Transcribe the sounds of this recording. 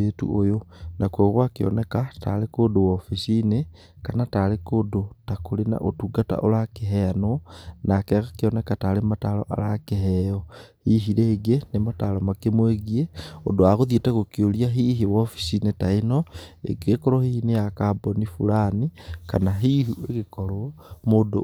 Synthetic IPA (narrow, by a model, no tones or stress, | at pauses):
etṵʔojonʔakwoɣwakeɔ̰nɛkata̰lekodowɔfisine | kanatalekodotakolena̰ʔotuɡata̰ʔolakeɦɛanonakɛɣakeɔnɛkatalematalɔ̰ʔa̰ɾakeɦɛɔhiɦiɾeɣenematalɔmakemweɣieo̰doaɣoðietaɣokioliaɦiɦewɔfi̥sinetaenɔḛɡekɔɾɔhiːhinejakabɔnifulanikanaɦiɦueɣekɔɾɔmodo